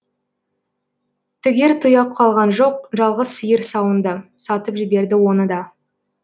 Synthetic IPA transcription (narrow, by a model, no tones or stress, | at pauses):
t̪ʰʏɡʲe̞ɾt̪ʰʊjɑqʰːɑlˠʁɑnʒo̞q̚ʒɑlˠʁəzsəjəɾsɑwənd̪əsɑt̪əpʒɪbe̞ɾd̪ɪwo̞nəd̪ɑ